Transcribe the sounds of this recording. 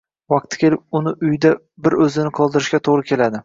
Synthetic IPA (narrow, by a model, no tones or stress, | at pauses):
vɑq̚t̪ʰɪ̥kʲʰe̞lɪp̚ʊnɪʔʊjd̪a | bɪɾɵzɪnɪqʰɒlˠd̪ɪɾɪʃkʲat̪ʰoʁɾɪkʲʰe̞lad̪ɪ